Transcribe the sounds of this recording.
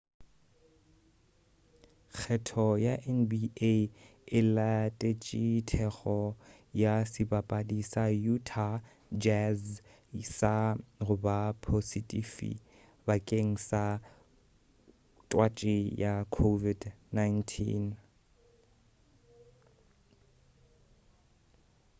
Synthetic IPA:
k͡xʰɛtʰɔjaʔɛnbie | ɪlatʼet͡ʃʼitʰɛɣɔ | jasɪbapʼadisajutʰa | d͡ʒɛz | sarʊbapʰositʼifḭ | bakʼeŋ̩sa | tʼwat͡ʃʼɪjakʰovidnajntʰḭn

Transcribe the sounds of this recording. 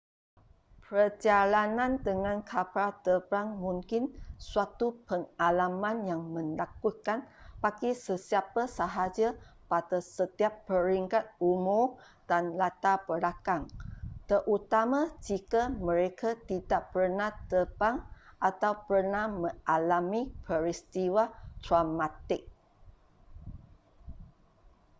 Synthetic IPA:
pəd͡ʒalanãndəŋãnkʰapat̪əbaŋmũŋkɪnsuat̪upəŋalamãnjaŋmə̃nlakukanpaɡisəsiapasəɦad͡ʒapadasət̪iapːəɾiŋkat̪̚umʊr | d̥anlat̪abəlakaŋt̪əʔut̪amãd͡ʒikamə̃ɾekat̪idaʔpərnat̪əbaŋʔat̪awpərnamə̃ŋʔalamipʰəɾist̪iwad̪ɾamat̪ɪk̚

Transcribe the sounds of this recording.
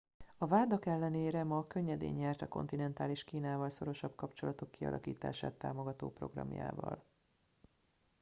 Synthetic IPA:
ɒvaːd̪ɒkɛlːɛneːɾɛmɒkø̞ɲːɛd̪ḛːɲːɛrt̪ɒko̞̰nt̪inɛnt̪aːliʃkiːnaːvɒlso̞ɾo̞ʃɒbkɒpt͡ʃo̞lɒt̪o̞kːiɒ̰lʔɒ̰kiːt̪a̰ːʃaːt̪ːa̰ːmo̞ɡɒt̪o̰ːpro̞̰ɡrɒ̰mja̰ːvɒ̰l

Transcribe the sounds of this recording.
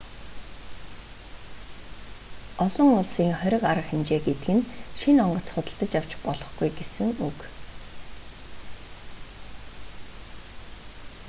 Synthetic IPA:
ɔɮɞ̆ŋʊɮsiːŋχœɾʲɪ̆kaɾə̆χemt͡ɕeːɡet̪ɘɡɘ̆nʃinɔɴɢɞ̆t͡sχʊt̪ə̆ɬt̪ə̆t͡ɕjaw̥t͡ɕpɔɮɞ̆χɡujɡesɘ̆ŋuk

